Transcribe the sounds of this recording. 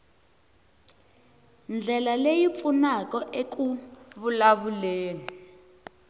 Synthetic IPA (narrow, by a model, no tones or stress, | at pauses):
nd͡ɮʱɛlalejip̪funakɔʔekuβulaβuleːni